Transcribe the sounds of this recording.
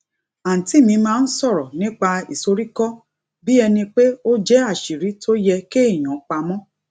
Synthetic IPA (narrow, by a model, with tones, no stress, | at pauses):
ã˨ti˨˦mĩ˧mãː˦˧n̩˦sɔ˦˨ɾɔ˨nĩ˦k͡pa˧ḭ˨so˧ɾi˦kɔ˦ | bi˦ɛ˧nĩ˧k͡pe˦o˦d͡ʒɛ˦a˦˨ʃi˨ɾi˨˦tʰo˦jɛ˧ke˦i˦˨j̃ɔ̃˨˦k͡pa˧mɔ̃˦